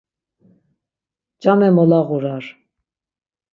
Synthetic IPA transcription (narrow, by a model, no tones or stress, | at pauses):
t͡ʃamɛmɔlaʁuɾaɾ